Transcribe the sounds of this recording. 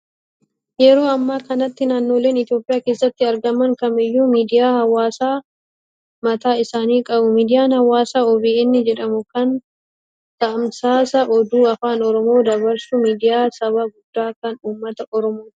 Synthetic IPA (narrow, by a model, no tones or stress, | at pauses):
jɛɾo̞ːɐmːaːkɐnɐt̪ːɪnaːnːo̞ːle̞ːnɪt̪ɪjo̞ːpʼɪjaːkeːsːɐt̪ːɪɐɾɡɐmɐŋkɐmɪjːuːmiːd̪ɪjaːhɐwaːsaː | mɐt̪aːɪsaːniːkʼɐbʊmiːd̪ɪjaːnhɐwaːsaːɔbiɛnːɪd͡ʒɛᶑɐmʊkɐn | t̪ɐʔɐmsaːsɐʔɔd̪uːɐfaːnɔɾɔmo̞ːd̪ɐbɐɾsʊmiːd̪ɪjaːsɐβɐɡʊd̪̥ːaːkɐnuːmːɐt̪ɐʔɔɾɔmoː